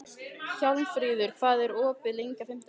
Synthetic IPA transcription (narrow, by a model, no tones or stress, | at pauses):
çawlnfɾiːðʏɾ̥kʰvaːðɛɾɔːpɪðlejŋkafɪm̥t̪a